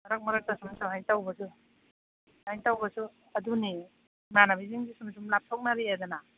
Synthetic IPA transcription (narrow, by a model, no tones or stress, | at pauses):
mɐɾak̚mɐɾak̚tasumsuɦajtawbɐsu | hajŋtawbɐsu | ɐduni | manabiziŋɡisumsumlap̚tʰok̚naɾiadɔna